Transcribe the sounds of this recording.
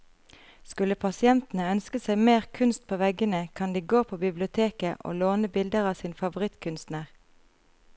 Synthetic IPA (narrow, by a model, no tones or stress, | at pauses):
skʉləpʰɑsɪɛnt̪n̩əœnskəsæɪmeːʁkʰʉnst̪̚pʰoːʋɛɡənəkʰɑnd̪iːɡoːpʰoːbɪblɪʊt̪ʰeːkəʔo̰ːloːnəbɪld̪əʁɑːsiːnfɑʋʊʁɪt̪kʰʉnst̪næʁ